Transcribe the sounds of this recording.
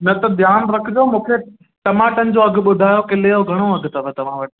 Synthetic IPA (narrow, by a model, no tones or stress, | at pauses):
nɐt̪ɐbjaːnɾɐkʰɪd͡ʑomũːkʰe | ʈɐmaːʈənɪ̆d͡ʑoɐɡʱɓʊd̪ʱaːjokɪleoɡʱɐɽ̃oɐɡʱt̪ɐʋət̪ɐʋ̤ãʋɐʈɪ